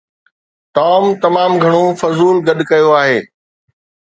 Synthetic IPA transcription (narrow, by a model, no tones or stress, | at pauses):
t̪ɔːmt̪ɐmaːmɡʱɐɽ̃ofɐzuːlɡɐɗkɐjoaːɦeː